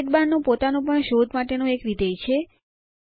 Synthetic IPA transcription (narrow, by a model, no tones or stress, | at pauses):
ʈ̪̚banːũpot̪anũpəɳʃod̪ʱmaʈenũekɾid̪ejt͡ʃʰe